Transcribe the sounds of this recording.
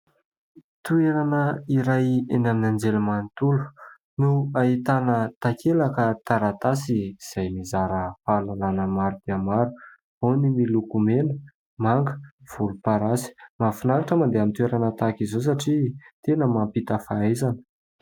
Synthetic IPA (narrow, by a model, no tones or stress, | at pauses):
t̪ueɾanəiɾajenaminand͡zelumant̪ulu̥ | nuait̪anət̪akelakət̪aɾat̪asiz̥ajmizaɾəfaːlalanəmaɾud̪̥eamaɾu̥ | onimilukumenə | maŋɡə̥v̥ulupaɾasi̥mafinaɾaʈ͡ʂəmand̪eamit̪ueɾanət̪akizos̬aʈ͡ʂit̪enəmampit̪əfaajzanə̥